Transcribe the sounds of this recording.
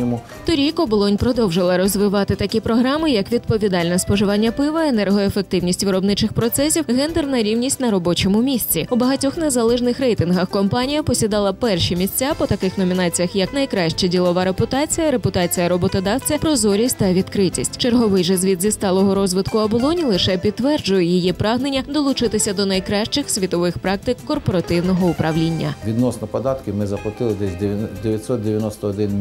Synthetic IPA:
t̪ɔɾʲikɐbɔlˠɔnʲpɾɔd̪ɔwʒɪlˠɐɾɔzʋɪʋɑt̪ɪt̪ɐkʲipɾɔɦɾɑmɪjɐkʋʲid̪̚pɔʋʲid̪ɑlʲnɛspɔʒɪʋɑnʲːɐpɪʋɐenɛrɦɔefek̚t̪ɪwnʲisʲtʲʋɪɾɔbnɪt͡ʃɪxpɾɔt̪sɛsʲiwɦɛnd̪ɛrnɐɾʲiwnʲisʲtʲnɐɾɔbɔt͡ʃɔmʊmʲisʲt͡sʲiubɐɦɐtʲɔxnezɐlˠɛʒnɪxɾɛjt̪ɪnɦɐxkɔmpɑnʲijɐpɔsʲid̪ɑlˠɐpɛrʃimʲisʲt͡sʲapɔt̪ɐkɪxnɔmʲin̪ɑt͡sʲijɐxjɐknɐjkɾɑʃt͡ʃɛdʲilˠɔʋɑɾepʊt̪ɑt͡sʲijɐɾepʊt̪ɑt͡sʲijɐɾɔbɔt̪ɔd̪ɑwt͡sʲɐpɾɔzɔɾʲisʲtʲt̪ɐʋʲid̪kɾɪtʲisʲtʲt͡ʃerɦɔʋɪjʒɛzʲʋʲid̪zʲist̪ɑlˠɔɦɔɾɔzʋɪt̪kʊɐbɔlˠɔnʲilˠɪʃɛpʲid̪t̪ːʋɛrd͡ʒʊjɛjijipɾɑɦnenʲːɐd̪ɔlˠʊt͡ʃɪt̪ɪsʲɐd̪ɔnɐjkɾɑʃt͡ʃɪxsʲʋʲit̪ɔʋɪxpɾɑk̚t̪ɪkːɔrpɔɾɐt̪ɪwnɔɦɔʊpɾɐʋlʲinʲːɐ̰ʋʲid̪nɔsnɔpɔd̪ɑt̪kʲɪmɪzɐplˠɐt̪ɪlˠɪd̪ɛsʲd̪eʋʲjɐt̪ʲsɔt̪̚d̪ʲeʋʲjɐnɔst̪ɔɔd̪ɪn

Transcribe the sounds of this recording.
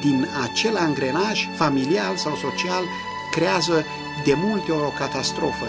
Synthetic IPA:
d̪inat͡ʃe̞laŋɡɾe̞naʃfamilialsawso̞t͡ʃial | kɾeazə | d̪e̞mult̪eookat̪ast̪ɾo̞fə

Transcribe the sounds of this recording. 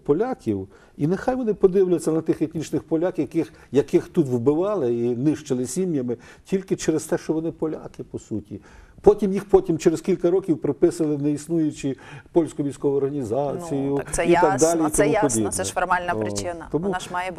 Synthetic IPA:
pɔlʲakʲiw | inexajʋɔnɪpɔd̪ɪwlʲʊjɪt͡sʲːɐnɐt̪ɪxet̪ʲnʲit͡ʃnɪxpɔlʲakjɐkɪx | jɐkɪxt̪ut̪wbɪʋɑlˠɪinɪʃt͡ʃɪlˠɪsʲimjɐmɪ | tʲilʲkɪt͡ʃeɾest̪ɛʃt͡ʃɔʋɔnɪpɔlʲa̰kɪpɔsutʲḭ | pɔtʲimjixpɔtʲimt͡ʃeɾezkʲilʲkɐɾɔkʲiwpɾɪpɪsɐlˠɪneisnujʊt͡ʃipɔlʲsʲkʊʋʲijsʲkɔʋʊɔrɦɐnʲizɑt͡sʲijʊit̪ɑɡd̪ɑlʲiimupɔdʲib̪ɛfɔrmɑlʲnɐpɾɪt͡ʃɪnɐt̪ɔmuɑj

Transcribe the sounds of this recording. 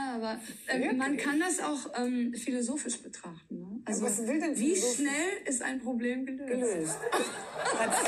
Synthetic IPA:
jaːaːbɐʔɛːmankʰandasa̰ʊxʔɛːmfilozoːfɪʃb̥ətʁ̥aχtn̩nəʔalzoasvɪldɛnviːʃnɛlɪsta̰ɪnpʁ̥obleːmɡəløɡ̥əːløːst | a

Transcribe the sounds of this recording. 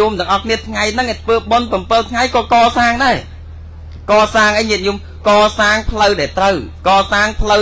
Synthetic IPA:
umt̪ɨ̆əŋʔɑhkʰniət̪ʰŋajnɨŋʔət̪ʰʋəːɓonpɑmpɨlt̪ʰŋajkɑːkɑːsaːŋɗaɛ | kɑːsaːŋʔəjɲiət̪̚juːm | kɑːsaːŋpʰləwɗaɛlt̪rəwkɑːsaːŋpʰlə

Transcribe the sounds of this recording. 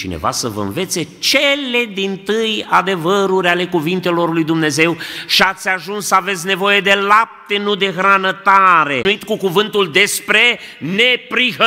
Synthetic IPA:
t͡ʃine̞̰va̰səvə̰ɨ̰nve̞t̪se̞t͡ʃe̞le̞d̪int̪ɨjad̪e̞vəɾuɾʲale̞kuvint̪e̞lo̞rlujd̪umne̞ze̞wʃiat̪sʲaʒunsːəave̞t̪sʲne̞vo̞je̞d̪e̞lap̚t̪e̞nud̪e̞xɾanət̪aɾe̞nuit̪kukuvɨnt̪uld̪e̞spɾe̞nepɾiɦə

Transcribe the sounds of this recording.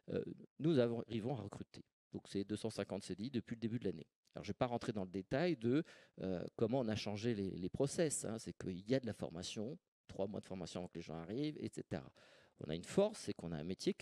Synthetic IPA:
ø̰nuzavɔ̃ʁivɔ̃aʁəkχyt̪ʰe̥ | d̪̥ɔ̃ksɛd̪øsɑ̃sɛ̃kɑ̃t̪sed̪id̪əpɥiləd̪ebyd̪lanḛ | alɔ̰ʁʒvɛpaʁɑ̃t̪χed̪ɑ̃ləd̪et̪ajd̪əø̰kɔmɑ̃ɔ̃naʃɑ̃ʒelḛlepχɔsɛsɛ̰̃sɛkəiljad̪əlafɔ̰ʁmasjɔ̃ | t̪χwamwa̰d̪ə̥fɔʁmasjɔ̃avɑ̃kleʒɑ̰̃aʁivḛt̪set̪ḛʁa̰ | ɔ̰̃na̰ynfɔʁsːɛkɔ̃naɛ̃met̪je

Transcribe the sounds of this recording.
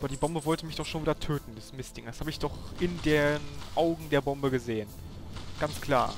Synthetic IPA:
ʔaːbɐdiːbɔmbəvɔltəmɪçd̥ɔχʃoːnviːdɐtʰøːtn̩dɛsmɪstɪŋdashaːbəɪçd̥ɔχʔɪndeːnʔaʊɡŋ̩deːɐbɔmbəɡəzeːən | ɡ̥ant͡skl̥a̰ːɐ

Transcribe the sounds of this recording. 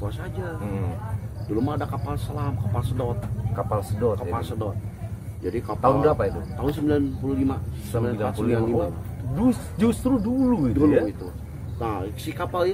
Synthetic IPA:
kuasad͡ʒa | dolumaːdakapalsəlamkapalsədɔt̪̚kapalsədɔtkaapalsədɔt̪̚d͡ʒadikap̪aʊndapait̪ut̪aɦʊns̬əmbilanpululimaəsəmbilanlaat̪suluianlima | du | d͡ʒust̪ɾuduluiduluit̪u | nasikapali

